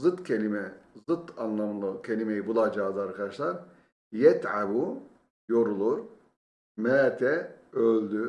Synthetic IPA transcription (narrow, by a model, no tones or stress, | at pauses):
zɯt̪cʰelʲimɛzɯt̪ʰanlˠamlˠɯcʰelʲimejibulˠad͡ʒaːd̪ɯaɾkʰad̪at͡ʃlˠaɾ | jɛt̪ʕabu | joɾulˠuɾ | mɛːt̪ʰɛølʲd̪y